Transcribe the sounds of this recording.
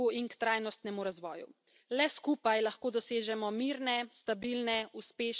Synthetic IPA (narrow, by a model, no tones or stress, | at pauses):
uinkt̪ɾajnɔst̪nɛmuɾazʋɔ̰ːjṵ | lɛskuːpajlaxkoːd̪ɔseːʒɛmɔmiːɾnɛst̪abilnɛuspeːʃ